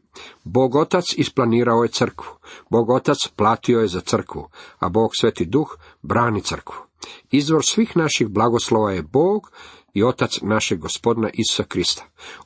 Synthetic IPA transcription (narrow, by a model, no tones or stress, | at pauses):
bo̞ːɡo̞t̪at̪sisplˠaniːɾaoje̞t̪sr̩kʋu̥bo̞ːɡo̞t̪at̪splˠaːt̪io̞jezat̪sər̩kʋṵa̰bo̞ːɡ̥sʋet̪id̪ux | bɾaːnit̪sər̩kʋu̥izʋo̞ɾsʋiːxnaʃixblaɡoslˠoʋajebo̞ːɡ | io̞t̪at̪snaʃeɡːospo̞d̪naʔisu̥sakɾist̪ḁ